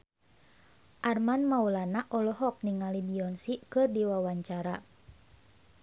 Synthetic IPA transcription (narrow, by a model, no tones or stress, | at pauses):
ʔarmanmaulanaʔɔlɔɦɔk̚niŋalibiɔnsikɨrdiwawaɲt͡ʃaɾa